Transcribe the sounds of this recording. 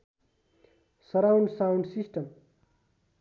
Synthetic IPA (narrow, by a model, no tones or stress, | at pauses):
sʌɾawɳɖsawɳɖsisʈʌm